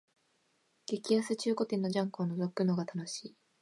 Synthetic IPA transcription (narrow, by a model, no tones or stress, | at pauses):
ɡ̥e̞kʲiasɨt͡ɕɨːko̞t̪ẽ̞nːo̞d͡ʑãŋkoːno̞zo̞kɯ̟no̞ɡat̪ano̞ɕiː